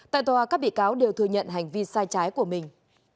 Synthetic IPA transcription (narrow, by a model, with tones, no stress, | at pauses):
t̪a̰ː˧˨jt̪waː˨˩kaː˦˥k̚ɓḭ˧˨kaː˨˦wɗe˨˩wt̪ʰɨ˧əɲə̰˧˨nɦa˨˩jŋ̟vi˧saː˧jt͡ɕaː˨˦jku˧˩əmï˨˩ŋ̟